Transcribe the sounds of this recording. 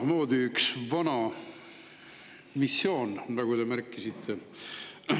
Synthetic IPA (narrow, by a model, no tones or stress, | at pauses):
mo̞ːd̪iyksvɑnɑ | misːjo̞ːnnɑɡud̪e̞mæɾkːˑisit̪ʰːe